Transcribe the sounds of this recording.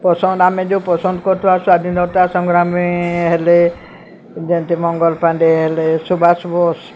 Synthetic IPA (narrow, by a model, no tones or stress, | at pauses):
pɔsɔ̃nd̪amẽd͡ʒupɔsɔ̃nd̪kɔɾt̪ʰuasũad̪ĩnɔt̪asɔ̃ŋɡɾamiɦele | d͡ʒent̪imɔŋɡɔlpãnɖeɦelesubʱasbɔs